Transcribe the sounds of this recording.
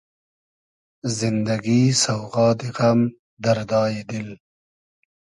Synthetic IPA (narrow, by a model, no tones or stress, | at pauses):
zɪnd̪aɡisawʁɑːd̪iɣam | d̪aɾd̪ɑːjed̪ɪl